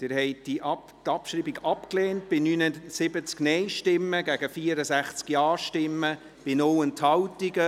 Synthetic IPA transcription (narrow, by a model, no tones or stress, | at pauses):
d̥ɪɾhɛɪt̚d̥iʔ | tɑpʃɾiːbiɡɑpkleːnt̚b̥ɪnyːnəsɪbət͡sknɛɪʃtɪmːəɡæɡ̥əfiːəɾəsæχt͡skjɑːɾʃtɪmːə | b̥ɪnɔwənthɑwtiɡə